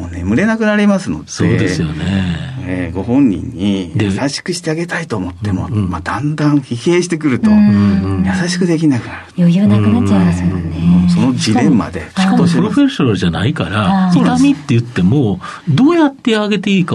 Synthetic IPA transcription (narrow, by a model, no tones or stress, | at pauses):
mone̞mɯ̟ɾe̞nakɯ̟naɾʲimasɨno̞̰d̪soe̞ːd̪esɨjo̞neeɡo̞ɦõ̞ɲːḭ̃ɲ̟ːidj̪easaɕi̥kɯ̟ɕi̥t̪e̞aɡe̞t̪ait̪o̞ːmo̞t̪ːe̞mo̞̰mad̪ãnd̪ãɰ̃çihe̞ːɕi̥t̪e̞k̬ɯ̟ɾɯ̟t̪o̞jasaɕi̥kɯ̟d̪e̞k̬ʲinakɯ̟naɾɯ̟naanaa | so̞no̞d͡ʑiɾẽ̞mːa̰d̪e̞̥kopɯɾoɸe̞ɕonaɾɯʑanaikaɾasoamʲit̪ːe̞jɯ̟t̪ːe̞mod̪o̞ːjat̪ːe̞aɡe̞t̪e̞iːka